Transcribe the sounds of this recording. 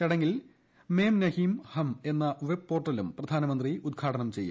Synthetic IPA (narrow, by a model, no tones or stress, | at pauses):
ɐɽɐŋɡil | meːmnɐhimhɐme̞nːɐʋeb̚po̞ːrʈːɐlumprɐd̪ʱaːnɐmɐnd̪riʔud̪̚ɡʰaːʈɐnɐmt͡ɕe̞jːṵ